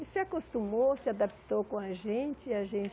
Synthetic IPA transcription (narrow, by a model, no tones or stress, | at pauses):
sɪakost̪ũmosɪad̪api̥t̪owkõaʒẽnt͡ʃɪaʒẽnt͡ʃ